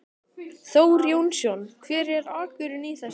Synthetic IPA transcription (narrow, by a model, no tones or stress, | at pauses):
θoːwɾjownsjɔnkʰvɪːɾɛɾaːkʏɾɪniθɛs